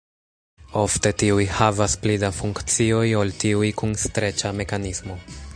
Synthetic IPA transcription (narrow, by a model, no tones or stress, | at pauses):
o̞fte̞tiujhavasplidafuŋkt͡sio̞joltiujkunstɾe̞t͡ʃame̞kanismo̞